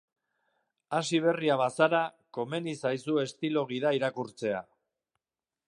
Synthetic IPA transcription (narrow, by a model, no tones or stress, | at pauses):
asiβ̞e̞riaβasaɾa | ko̞me̞nisajsue̞st̪ilo̞ɣ̞iðaiɾakuɾt͡se̞a